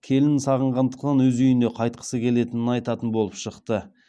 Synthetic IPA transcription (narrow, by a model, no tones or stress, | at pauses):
kʲʰe̞lɪnsɑʁəɴʁɑnd̪əqt̪ɑnwɵzʏjɪnd̪e̞qʰɑjt̪̚qʰə̥səkʲʰe̞le̞t̪ɪnɪnɑjt̪ɑt̪ənbo̞lˠəpʃəqt̪ə